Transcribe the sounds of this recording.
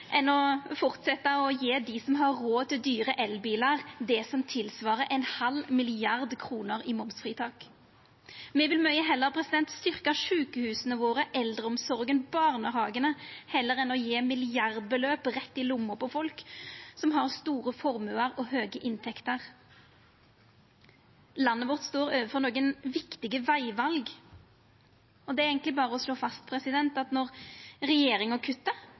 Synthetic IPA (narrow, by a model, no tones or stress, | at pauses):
ʔɛnɔfɔʁt̪sɛt̪ːɑɔjeːd̪ɪsɔmɦɑɾːoːt̪ʰɪd̪yːʁəʔɛlbiːlɑʁd̪ɛsɔmt̪ʰɪlsʋɑːʁəʔɛnhɑlmɪlɪɑʁd̪kʰʁuːnəɾɪmɔmsfʁiːt̪ʰɑːk | mɛʋɪlmœʏəɦɛlːəʁpʰɾɛsɪd̪ɛnt̪st̪ʏʁkəʂʉːkəhʉːsənəʋoːʁəʔɛld̪ʁəɔmsɔʁɡənbɑːʁnəɦɑːɡənəhɛlːəʁɛnɔjeːmɪlɪɑʁd̪̚bəløːpʁɛt̪ːɪlʊmːʊɾpɔfɔlksɔmɦɑʁst̪uːɾəfɔɾmʉəɾɔɦøːɡəʔɪnt̪ʰɛkt̪əʁ | lɑnːəʋɔʁt̪st̪oːɾøːʋəfɔʁnoːɡənʋɪkt̪ɪɡəʋæɪʋɑlɡ | ɔd̪ɛæɾeːɡənlɪbɑːʁəɔsloːfɑst̪̚pʰɾɛsɪd̪ɛnt̪ɑt̪nɔʁɾɛjeːɾɪŋɔkʰʉt̪ːə